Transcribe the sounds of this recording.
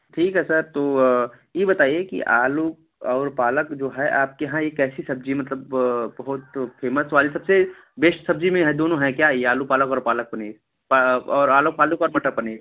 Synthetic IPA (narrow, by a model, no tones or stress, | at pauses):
ʈʰiːkɦɛsɐɾt̪oː | jebɐt̪aːiekḭʔaːlu | ɔːɾpaːləkd͡ʒoːɦɛʔaːp̚keɦãjekɛːsisɐb̚d͡ʒimɐt̪̬ləbbɐɦʊt̪feːməsʋaːlisɐbse | beːʃsɐbd͡ʒimẽɦɛd̪oːnõɦɛ̃kjaijeaːlupaːləkɔːɾpaːlək̚pɐneː | paɔːɾaːlopaːləkɔːɾmɐʈəkpɐneː